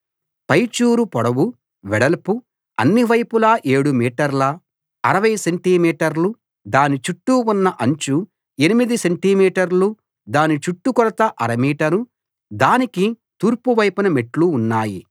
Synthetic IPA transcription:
pɐjt͡ʃuːɾupɔɽɐʋu | ʋɛɽɐlpu | ɐnːiʋɐjpulaːʔe̞ːɽumiːʈɐɾlɐ | ɐɾɐʋɐjɐseɳʈiːmiːʈɐɾlu | d̪aːnit͡ʃuʈːuunːɐʔɐɲt͡ʃu | enimid̪iseɳʈimiːʈɐɾlu | d̪aːnit͡ʃuʈːukɔɾɐt̪ɐʔɐɾɐmiːʈɐɾu | d̪aːniki | t̪uːɾpuʋɐjpɐnɐmeʈluːnːaːji

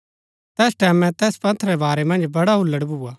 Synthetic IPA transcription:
t̪ɛːsʈɛːmɛ̃t̪ɛːspɐ̃t̪ʰɾɛbaːɾɛmɐ̃nd͡ʒbɐɽaɦʊlːəɽbʱuːa

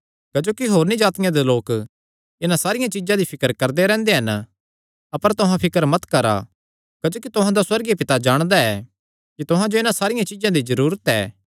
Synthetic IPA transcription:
kɐd͡ʒoːkiɦoːɾnĩd͡ʒaːt̪ɪjãd̪eloːk | ɪnãsaːɾɪjãt͡ʃɪd͡ʒãd̪ipʰɪkəɾkɐɾd̪eɾɛ̃ːnd̪eɦɐn | ɐpəɾt̪ʊɦãpʰɪkəɾmɐt̪kɐɾa̰ | kɐd͡ʒoːkit̪ʊɦãd̪aswɐɾɡipɪt̪ad͡ʒaːɽ̃d̪aɛ | kit̪ʊɦãd͡ʒoɪnãsaːɾɪjãt͡ʃɪd͡ʒãd̪izɐɾuːɾət̪ɛ̰ː

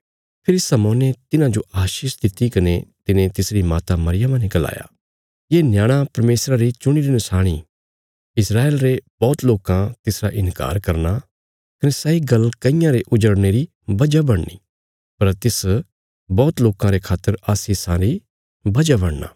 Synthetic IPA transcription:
pʰɪɾsɐmɔːnet̪ɪnãd͡ʒoʔaːʃiːʃd̪ɪt̪ːikɐnet̪ɪnẽt̪ɪsɾimaːt̪amɐɾɪjəmãnikɐla̰ːja̰ː | jeːnjaːɽ̃apɐɾmeːsɾaɾit͡ʃʊɽ̃iɾinʊsaːɽ̃ḭ | ɪsɾaːeːlɾebɔːt̪loːkãt̪ɪsɾaʔɪ̃nka̰ːɾkɐɾna | kɐnesɐiɡɐlkɐɪ̃jãɾeʔʊd͡ʒəɽneɾi | bɐd͡ʒabɐɽnḭ | pɐɾt̪ɪs | bɔːt̪loːkãɾekʰaːt̪ːəɾaːsisãɾi | bɐd͡ʒabɐɽna̰ː

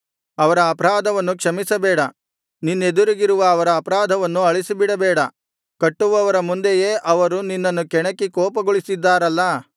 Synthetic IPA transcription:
ɐʋɐɾɐːpɐɾaːd̪ʱɐʋɐnːukʂɐmisɐbɛːɽɐ | ninːed̪uɾiɡiɾuʋɐːʋɐɾɐːpɐɾaːd̪ʱɐʋɐnːuɐɭisibiɽɐbɛːɽɐ | kɐʈːuʋɐʋɐɾɐmund̪eje̞ːʔɐʋɐɾuninːɐnːukɛɳɐkːikɔːpɐɡoɭisid̪ːaːɾɐlːɐ

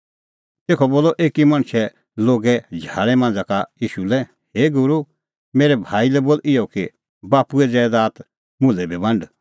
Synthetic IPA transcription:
t̪eːkʰɔboːlɔʔeːkimɐ̃ɽ̃sɛ | loːɡɛd͡ʒʱa̰ːɭɛmãːnd͡zakajiːʃulɛ | heːɡʊɾu | meːɾɛbʱaːilɛboːlɪjɔki | baːpuɛd͡zɛːd̪aːt̪ | mʊ̃lɛbʱibɐ̃ɳɖ

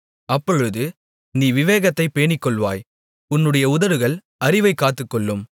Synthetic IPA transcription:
ɐpːɔɻɯðɯ | niːʋɪʋeːɣɐt̪ːɐɪpːeːɳɪkːɔɭʋa̰ːj | ʊnːɯɽɐjɐʊðɐʋɯɣɐɭ | ɐɾɪʋɐɪkːaːt̪ːɯkːɔɭːɯm

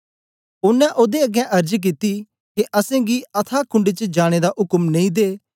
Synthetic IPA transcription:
ʊnɛ̃ʔoːd̪eɐɡɛ̃ʔɐɾd͡ʒk̬it̪i | keʔɐsẽːɡiɐt̪ʰakʰʊ̃ɳɖet͡ʃəd͡ʒaːɽ̃ed̪aʔʊkəmnɐ̃ĩd̪eː

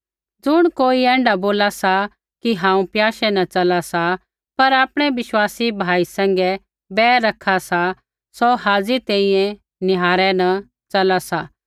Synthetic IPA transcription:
d͡zʊɽ̃koːiɛ̃ːɳɖaboːlasa | kiɦãːũpjaːʃɛnɐt͡ʃɐlasa | pɐɾaːpɽ̃ɛʋɪʃwaːsibʱaːisɛ̃ːŋ̆ɡɛ | bɛːɾɐkʰasa | sɔɦaːzit̪ɛ̃ːĩɛ̃ | nɪɦaːɾɛnɐ | t͡ʃɐlasa

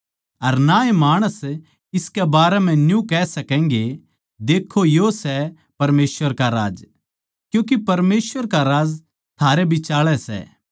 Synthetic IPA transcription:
ɐɾnaemaːɽ̃əs | ɪskɛbaːɾɛm̤ɛ̃njũkɛsɐkɛ̃ːŋɡe | d̪eːkʰːojosɛ | pɐɾmeːsʋəɾkaɾa̰ːd͡ʒ | kjũːk̬ipɐɾmeːsʋəɾkaɾaːd͡z | t̪ʰaːɾebʱit͡ʃaːɭɛsɛ̰

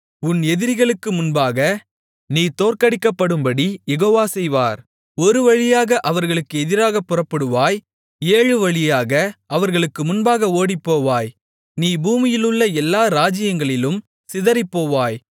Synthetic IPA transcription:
ʊnɛðɪɾɣɐɭɯkːɯmʊnbaːɣɐ | niːt̪oːɾkɐɽɪkːɐpːɐɽɯmbɐɽijɛɣoːʋaːsɛjʋaːɾ | ɔɾɯʋɐɻɪjaːɣɐʔɐʋɐɾɣɐɭɯkːɯɛðɪɾaːɣɐpːʊrɐpːɐɽɯʋaːj | eːɻɯʋɐɭɪjaːɣɐʔɐʋɐɾɣɐɭɯkːɯmʊnbaːɣɐoːɽipːoːʋaːj | niːbuːmɪjɪlɯɭːɐɛlːaːɾaːd͡ʒɪjɐŋɡɐɭɪlɯm | sɪðɐɾɐɪpːoːʋaːj

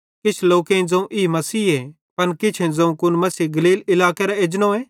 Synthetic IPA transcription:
kɪt͡ʃʰloːkeĩd͡zɐ̃ũʔɪimɐsiːɦɛ | pɐnkɪt͡ʃʰẽd͡zɐ̃ũkʊnmɐsiːɡɐliːlɪlaːkeɾaed͡ʒnõɛ̃ː

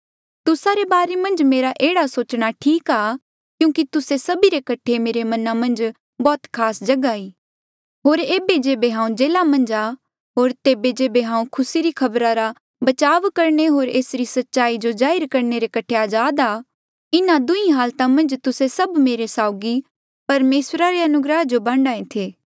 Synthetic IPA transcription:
t̪ʊsaɾebaːɾemɐ̃nd͡ʒmeːɾaʔeːɽasoːt͡ʃɽ̃aʈʰiːkaː | kjũːkit̪ʊsesɐbiɾekɐʈʰemeːɾemɐnamɐ̃nd͡ʒ | bɔːt̪kʰaːsd͡ʒɐɡaiː | ɦoːɾeːbed͡ʒeːbeɦãːũd͡ʒeːlamɐ̃nd͡ʒa | ɦoːɾt̪eːbed͡ʒeːbeɦãːũkʰʊsiɾikʰɐbɾaɾa | bɐt͡ʃaːʋkɐɾneɦoːɾeːsɾisɐtːʃaːid͡ʒod͡ʒaːɪɾkɐɾneɾekɐʈʰeaːd͡ʒaːd̪aː | ɪnad̪ʊĩɦaːlt̪amɐ̃nd͡ʒt̪ʊsesɐbmeːɾesaːʊɡi | pɐɾmeːsɾaɾeɐnʊɡɾəɦd͡ʒobãːɳɖaːẽt̪ʰeː

